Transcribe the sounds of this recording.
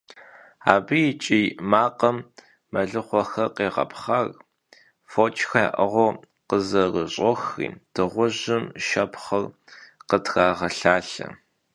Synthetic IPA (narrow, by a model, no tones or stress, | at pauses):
a̰ːbɨjɪt͡ʃʼiːmaːqɐmː | ɐɮɨχʷɔxɐqeːʁɐ̰pʰχar | fot͡ʃʰʼxaʔɐʁʷɔ | qəzɐrəɕʼɔxḭːd̥ɨʁʷʊʑɪmʃɐpχɐr | qətʰɣ̥aːʁɐɬaːɬɐ̰